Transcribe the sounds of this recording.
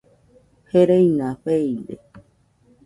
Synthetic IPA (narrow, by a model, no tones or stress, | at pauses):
heɾejnãɸejnd̪ḛ